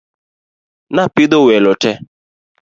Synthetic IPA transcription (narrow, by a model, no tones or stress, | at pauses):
napidowelɔtɛ